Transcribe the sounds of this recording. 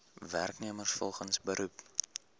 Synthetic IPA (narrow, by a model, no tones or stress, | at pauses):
værkniəmərsfɔlˠχənsbəɾʔup